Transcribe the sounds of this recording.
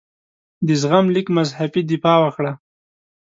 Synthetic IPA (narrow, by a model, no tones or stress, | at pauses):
d̪əzɣamlikmazhabid̪ifɑwəkɽa